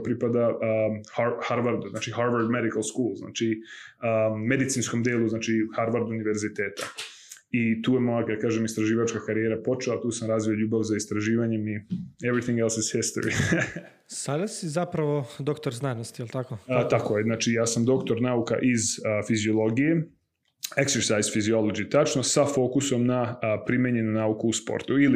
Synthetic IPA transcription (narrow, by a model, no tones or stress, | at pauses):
pɾipad̪ahahaɾʋaɾd̪uznaːt͡ʃihaɾʋaɾd̪med̪ikalˠskuːlˠzna̰ːt͡ʃiəmːe̞d̪it̪siːnsko̞md̪eːlˠuznaːt͡ʃihaɾʋaɾd̪uniʋe̞ɾzit̪e̞ːt̪a | it̪uːjemolakad̪akaːʒemist̪ɾaʒiːʋat͡ʃkakaɾijeɾapo̞t͡ʃelat̪uːsamɾaːzʋioʎuːbaʋzaist̪ɾaʒiːʋaɲe̞mievɾiθĩŋɡɛlˠsɪz̥hist̪o̰ɾḭ | sad̪asizapɾaʋod̪okt̪oɾznanost̪ijelˠt̪akot̪akojeznaːt͡ʃijaːsamd̪o̞kt̪o̞ɾnaːuka̰ʔizfizio̞lˠo̞ɡije̞ | ekseɾsajzfizio̞lˠod͡ʒit̪at͡ʃnosafo̞ːkuso̞mnapɾimjeɲenunaukuuspo̰ɾt̪uili